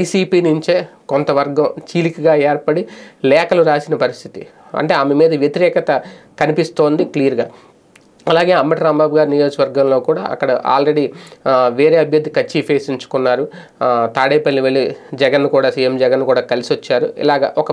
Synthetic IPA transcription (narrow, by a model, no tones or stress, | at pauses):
ʋɐjsiːpiːnuɲt͡ʃeːkont̪ɐʋɐɾɡɐ̃mt͡ʃiːlikɐɡaːeːɾpɐɽilɛːkɐluɾaːsinɐpɐɾist̪ʰi̥t̪ḭ | ɐ̰ɳʈe̞ːɐmemiːd̪ɐʋjɐt̪iɾɛːkɐt̪ɐkɐnipist̪o̞ːnd̪iklijːɾɡaː | ɐlaːɡe̞ːɐmbɐʈɾaːmbaːbɡaːɾinijo̞ːd͡ʒkɐʋɐɾɡɐmlo̞ːkuːɽa̰ːɐ̰kːɐɽɐʔa̰ːlɾe̞ɽiʋeːɾeːɐbʱjɐd̪ʱːikɐt͡ʃːipeːsiɲt͡ʃu̥kunːaːɾu | t̪aːɽeːpɐlːiʋelːid͡ʒɛɡɐnːikuːɽaːsiːjemd͡ʒɛɡɐnːukuːɽaːkɐlisiʋɐt͡ʃːaːɾṵḭlaːɡɐ̰ʔɔkɐ